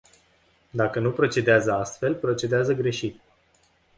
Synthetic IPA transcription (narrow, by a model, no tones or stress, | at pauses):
d̪akənupɾo̞t͡ʃe̞d̪eazəast̪fe̞lpɾo̞t͡ʃe̞d̪eazəɡɾe̞ʃit̪